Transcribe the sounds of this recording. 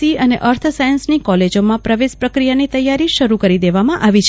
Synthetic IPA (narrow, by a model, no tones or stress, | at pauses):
iəneʔəɾt̪ʰsajənsnikɔled͡ʒomãpɾəʋespɾəkɾijanit̪əjːaɾiʃəɾukəɾid̪eʋamãʔaʋit͡ʃʰ